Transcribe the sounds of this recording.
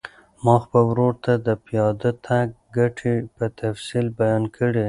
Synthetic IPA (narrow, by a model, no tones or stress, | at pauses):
mɑxpəwɾoɾt̪ad̪əpijɑd̪ət̪ʰaɡ̚ | ɡaʈʰepət̪afsilbajɑnkʰəɽe